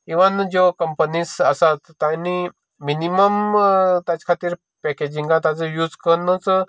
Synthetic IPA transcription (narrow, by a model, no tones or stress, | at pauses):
iʋand͡ʑokəmpənisəsat̪ːani | miniməmt̪at͡ɕkʰat̪iːɾ | pɛked͡ʑiŋɡãt̪ad͡zəjud͡zkənət͡s